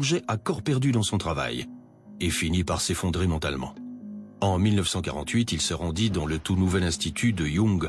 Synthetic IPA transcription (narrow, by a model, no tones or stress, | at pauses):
ʒɛʔakɔʁpɛʁd̪yd̪ɑ̃sɔ̃t̪χava̰j | efinipaʁsefɔ̃d̪ʁemɑ̃t̪almɑ̰̃ɑ̃milnəfsɑ̃kaʁɑ̃t̪ɥit̪ilsəʁɑ̃d̪id̪ɑ̃lət̪unuvɛlɛ̃st̪it̪ʰyd̪əjɔ̃ɡ